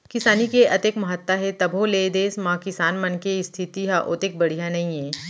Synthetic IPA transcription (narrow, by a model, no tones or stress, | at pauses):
kɪsaːnikeʔɐt̪eːkmɐɦət̪ːaɦɛt̪ɐbʱõleːd̪eːsmãːkɪsaːnmɐnkeɪst̪ʰɪt̪iɦaʔoːt̪eːk̚bɐɽ̤ijãnɐɦĩẽː